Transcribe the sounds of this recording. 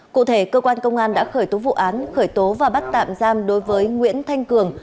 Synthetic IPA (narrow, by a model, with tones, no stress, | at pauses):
kṵ˧˨t̪ʰe˧˩kəː˧kwaː˧nkə˧wŋ͡mʔaː˧nɗa̰ː˧˥xəː˧˩jt̪o˨˦vṵ˧˨ʔaː˨˦nxəː˧˩jt̪o˨˦vaː˨˩ɓt̚t̪a̰ː˧˨mzaː˧mɗo˨˦jvəː˨˦jŋwḭ˧˥ənt̪ʰa˧jŋ̟kɨ˨˩əŋ